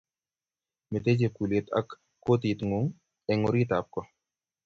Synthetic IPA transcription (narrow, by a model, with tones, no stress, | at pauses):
me˨t̪e˦d͡ʒe˨ku˨le˨t̪a̰˦kː | o˦t̪i˨t̪ŋu˨ŋ | ɛ˨ŋo˦ɾi˦t̪a˨p̚kɔ˦